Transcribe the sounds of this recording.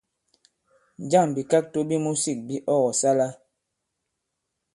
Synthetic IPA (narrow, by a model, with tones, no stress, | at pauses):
n˨d͡ʒa˦˨ŋbi˨ka˦k̚to˦bi˦mu˦si˦˨k̚bi˦ʔɔ˦ɣɔ˨sa˦la˦